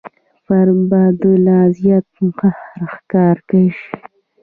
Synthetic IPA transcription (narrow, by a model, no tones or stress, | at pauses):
faɾbɑd̪əlazjat̪̚mʊqahɾxkɑːɾkaʃ